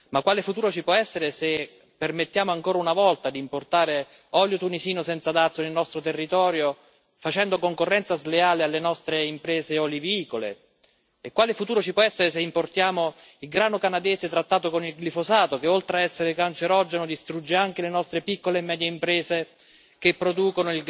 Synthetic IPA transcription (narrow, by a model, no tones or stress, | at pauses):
makwaːlɪfut̪uːɾot͡ʃipwɔɛsːeɾese | pːermet̪ːjaːmoaŋkoːɾaunavɔlt̪ad̪iːmport̪aːɾe | ɔljot̪unisiːnosɛnt̪sad̪at̪sːonelnɔst̪ɾot̪erːit̪ɔːɾjo | fat͡ʃɛnd̪okoŋkorːɛnt̪sazleaːlealːenɔst̪ɾeimpɾɛːzeɔliviiːkolḛː | kːwaːlefut̪uːɾot͡ʃipwɔɛsːeɾes̬eimport̪jaːmo | ilɡɾaːnokanad̪ɛːset̪ɾat̪ːaːt̪okonilɡlifozaːt̪okeolt̪ɾeaɛsːeɾekant͡ʃeɾɔd͡ʒenod̪ist̪ɾud͡ʒːeaŋk̟elenɔst̪ɾepikːolemːɛːd̪jeimpɾɛːze | kepːɾod̪uːkonoil